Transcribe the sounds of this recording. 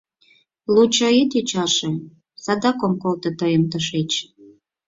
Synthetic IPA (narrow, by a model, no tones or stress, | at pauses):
lut͡ɕəet̪it͡ɕɑʃe | sɑd̪ɑkomkolt̪ət̪əjəmt̪əʃet͡ɕ